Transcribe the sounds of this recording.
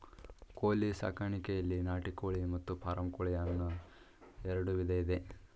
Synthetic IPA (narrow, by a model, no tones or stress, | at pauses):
koːlisa̰ːkaːɳikɛjɐlːinaːʈikoːɭimɐt̪ːupʰaːɾɐmkoːɭijanːu | ɛɾɐɽuʋid̪eid̪e̞